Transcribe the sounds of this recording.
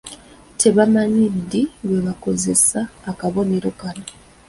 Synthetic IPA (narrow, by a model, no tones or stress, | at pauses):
tʰe̞βamaɲidiweβako̞ze̞saːkaβo̞ne̞ɾo̞kano